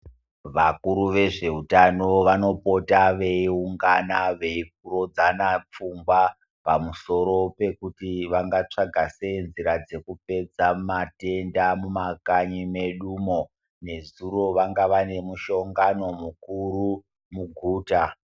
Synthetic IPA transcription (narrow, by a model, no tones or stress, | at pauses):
ʋakuɾuʋe̞ʐe̞utano̞ʋano̞po̞taʋe̞iuŋɡanaʋe̞ik̚uɾo̞d͡zanap͡fumɡwa | pamuso̞ɾo̞pe̞kutiʋaŋɡat͡ʂaɡʱase̞nziɾad͡ze̞kupe̞d͡zamate̞ndamumakaɲime̞ɗumo̞ | ne̞zuro̞ʋaŋɡaʋane̞muʃo̞ŋɡano̞mukuɾu | muɡʱuːta